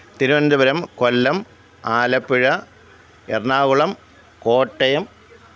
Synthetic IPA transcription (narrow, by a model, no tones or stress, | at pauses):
t̪iɾuʋɐnd̪ɐbɐɾɐmkolːɐm | aːlɐpːiɻɐ | erɳaːɣuɭɐm | koːʈːɐjɐm